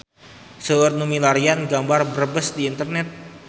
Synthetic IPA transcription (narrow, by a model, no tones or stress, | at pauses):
səərnumilaɾianɡambarbəɾəbəsdiːnt̪ərnɛt̪̚